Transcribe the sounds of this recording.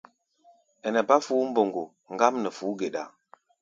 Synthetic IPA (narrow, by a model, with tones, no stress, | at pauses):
ɛ˨nɛ˨ba˦fu˦m̩˦bo˨ŋɡo˨ | ŋ˦ɡa˦mnə˨fu˨˦ɡe˨ɗa̰˨